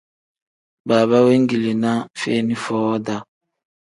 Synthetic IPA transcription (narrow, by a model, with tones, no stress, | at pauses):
baː˨βa˦we˦ŋ˦ɡi˨le˨na˦fe˦ni˦fɔː˦da˦